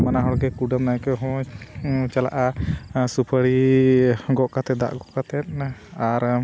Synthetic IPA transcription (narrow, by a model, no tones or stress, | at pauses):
manaɦɔɽɡɛkuɖamnajkɛɦɔ̃ | t͡ʃala̰ʔasupʰaɽi | ɡɔʔkat̪ɛt̪̚d̪a̰ʔɡɔʔkat̪ɛt̪̚aɾ